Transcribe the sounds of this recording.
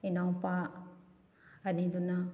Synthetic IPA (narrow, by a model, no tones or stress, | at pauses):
inaŋpa | aniduna